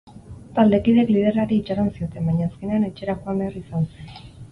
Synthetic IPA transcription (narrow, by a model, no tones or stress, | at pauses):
t̪ald̪e̞kiðe̞klið̞e̞raɾiːt͡ʃaɾansio̞t̪e̞mbaɲaːske̞ne̞ane̞t͡ʃe̞ɾakoambe̞arisanse̞n